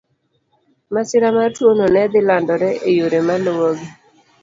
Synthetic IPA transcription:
masɪɾamatwononɛd̪ɪlandɔɾɛʔejuɾemalowoɡi

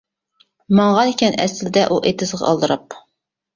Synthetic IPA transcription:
mɑŋʁɑd̪ekʲʰɛnɛ̰sld̪ɛʔuʔet̪ʰɪzʁɑ̰ɑ̰lˠd̪ɨɾɑp

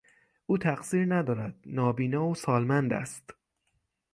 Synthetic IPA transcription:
ʔuːt̪ʰæɡsiːɾnæd̪ɒːɾæd̪̥̚nɒːbiːnɒːosɒːlmænd̪æ̰st̪

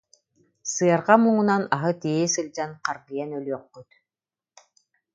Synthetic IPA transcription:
sɯɑɾʁamuŋunanaɦɯt̪iɛsɯlʲd͡ʑanqaɾɡɯjɛnœlʲyɔqːyt̪

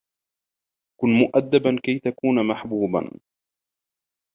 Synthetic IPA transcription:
kʊnmʊʔad̪ːabankajt̪akuːnamaħbuːba̰n

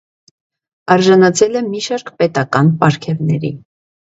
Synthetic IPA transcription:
ɑɾʒɑnɑt͡sʰɛlɛmiʃɑɾkpɛt̪ɑkɑnpɑɾkʰɛvnɛɾḭ

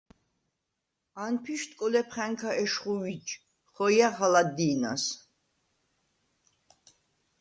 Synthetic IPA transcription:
anpʰiʃt̪ʼkʼɔlɛpʰχɛŋkʰaʔɛʃχuwit͡ʃ | χɔjaʁalad̪ina̰s

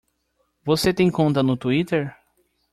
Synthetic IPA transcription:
voset̪ẽkõnt̪ɐnut̪uit̪eɾ

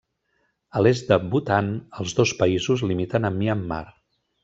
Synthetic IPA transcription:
əlezd̪əbut̪anəlˠzðospəizuzlimit̪ənəmːiəmːa̰ɾ

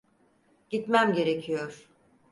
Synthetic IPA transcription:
ɟ̥it̪mæmɟe̞ɾe̞cʰijoɾ̥

